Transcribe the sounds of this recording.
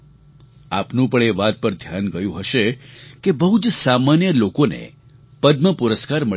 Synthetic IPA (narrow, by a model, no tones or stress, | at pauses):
a̰pnũpəɳeʋat̪̚pəɾd̪ʱjanɡəjũɦəʃekebəɦut͡ʃsamanjəlokonḛ | pəd̪məpuɾəskaɾmə